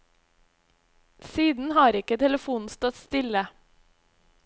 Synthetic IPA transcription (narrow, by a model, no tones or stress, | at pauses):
siːd̪n̩hɑːɾɪkət̪ʰɛləfuːn̩st̪ɔt̪st̪ɪlə